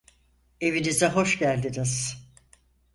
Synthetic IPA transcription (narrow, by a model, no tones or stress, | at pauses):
e̞vinizɛɦo̞ʃcælʲd̪iniz̥